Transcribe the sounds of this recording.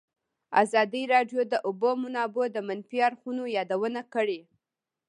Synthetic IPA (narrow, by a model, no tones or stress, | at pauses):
a̰zɑd̪iɾɑɖjod̪əʔʊbomʊnɑbod̪əmanfiaɾxunojɑd̪awənakəɽe